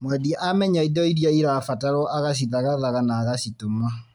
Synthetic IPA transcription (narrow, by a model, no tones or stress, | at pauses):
mwɛðiʔamɛɲaidɔiɾjɔiɾafataɾɔʔaɣaɕ̬iðaɣaðaɣanaːɣasitoma